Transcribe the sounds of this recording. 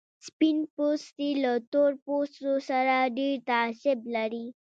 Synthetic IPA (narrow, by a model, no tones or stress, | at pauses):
spinpost̪ilət̪oɾpostosaɾaɖiɾt̪aɕeblaɾi